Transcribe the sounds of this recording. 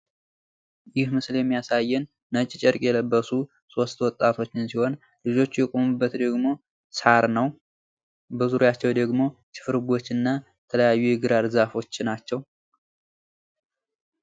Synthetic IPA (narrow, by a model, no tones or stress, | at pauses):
jɪhmɨsljɛmːijasajːɛnː | ət͡ʃʼt͡ʃʼɛɾkʼjɛləbːəsu | so̞st̪wɔt̪ʼːat̪ʰo̞t͡ʃːɪnsiho̞n | lɨd͡ʒo̞t͡ʃːjɛkʼo̞mɨbːət̪d̪əɡmo̞ | saɾnəw | bəzuɾjat͡ʃːɛwd̪əɡmo̞t͡ʃʰɨ̥fɨɾɡʷo̞t͡ʃːɨnːajɛt̪ʰələjajːujɛɡɨɾalɨzafo̞t͡ʃːnat͡ʃːɛw